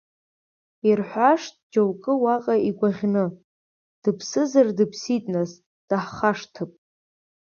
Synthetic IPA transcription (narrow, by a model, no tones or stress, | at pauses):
irħʷaʂtʼd͡ʒowkʼɨwaqʼaiɡʷaʁʲnɨ | d̥ɨpʰsɨzardɨpʰsitʼnaz | d̥aħχaʂtʰɨpʼ